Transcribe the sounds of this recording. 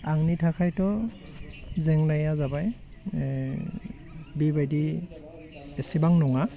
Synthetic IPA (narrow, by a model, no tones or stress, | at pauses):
aŋnitʰakʰajtɔ | zɛŋnajazabaj | bibajdi | ɛsibaŋnɔŋa